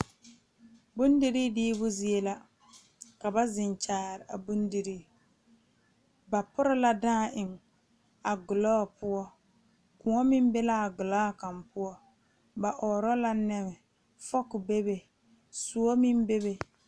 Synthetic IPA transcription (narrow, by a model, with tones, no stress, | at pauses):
bʊ˦n˦di˨ɾi˦dɪː˦bʊ˦zi˦e˦la˦ | ka˨ba˦zɪ˨n˨t͡ʃaː˨ɾɪ˨a˨bu˦ndi˨ɾiː˦ | ba˨pʊ˦ɾɪ˦la˦daː˦˨ʔɪ˨ŋ | a˨ɡʊ˨lɔː˦˨pʊ˦ɔ˦ | kʊ˨ɔ˦mɪ˦m˦be˦la˦a˨ɡʊ˨la˦˨ka˨mpʊ˦ɔ˦ | ba˨ʔɔː˨ɾɔ˦la˦nɛ˦mɪ˨ | fɔ˦kʊ˨be˦be˨ | su˨˦ɔ˦mi˦m˦be˦βe˨